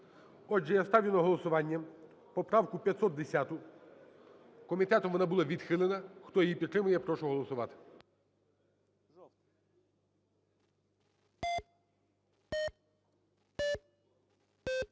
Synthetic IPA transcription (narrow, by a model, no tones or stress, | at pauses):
ɔd͡ʒɛjast̪ɑwʲjʲɪnɐɦɔlˠɔsʊʋɑnʲːɐ | pɔpɾɑwkʊpʲjɐt̪sɔt̪̚d̪esʲat̪ʊ | kɔmʲit̪ɛt̪ɔmʋɔnɑbulˠɑʋʲid̪xɪlˠenɐxt̪ɔjijipʲit̪ːɾɪmʊjɛpɾɔʃʊɦɔlˠɔsʊʋɑt̪ɪ̥